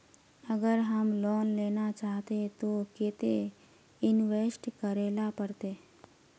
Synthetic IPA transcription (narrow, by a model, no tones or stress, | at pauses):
əɡəɾɦəmlɔːnleːnat͡ʃaːɦt̪et̪oket̪e | ɪnʋeːsʈkəɾeːlapəɾt̪e